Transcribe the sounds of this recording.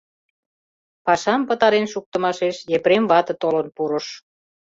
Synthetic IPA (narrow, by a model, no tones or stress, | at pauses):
pɑʃɑmpət̪ɑɾenʃuk̚t̪ə̆mɑʃeʃjepɾemvɑt̪ə̆t̪olənpuɾəʃ